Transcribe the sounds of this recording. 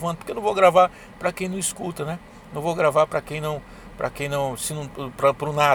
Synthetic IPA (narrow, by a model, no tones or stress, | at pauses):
vɐ̃n̚po̥ɾkewnɐ̃voɡɾavaɾ | pɾɐkẽj̃nɐ̃w̃iskut̪ɐnɛ | nɐ̃w̃vowɡɾavaɾpɾɐkẽj̃nɐ̃w̃ | pɾɐ̰kẽj̃nɐ̃w̃sɪnɐ̃pɾɐpɾʊna